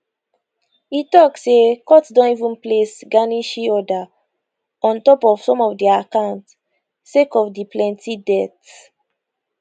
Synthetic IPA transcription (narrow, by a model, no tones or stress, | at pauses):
itɔksekɔtsdɔ̃nivũnplesɡanĩʃiɔda | ɔ̃ntɔpɔv̥sɔ̃mɔvdiakãʊ̃nt | sekɔvdiplɛ̃ntidɛt